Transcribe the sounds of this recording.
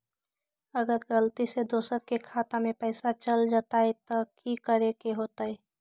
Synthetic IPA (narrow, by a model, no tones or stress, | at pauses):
əɡəɾɡəlt̪ised̪oːsəɾkekʰaːt̪amẽpəɪsat͡ʃəld͡ʒaːt̪aet̪ɔkikəɾekeɦoːt̪aɛ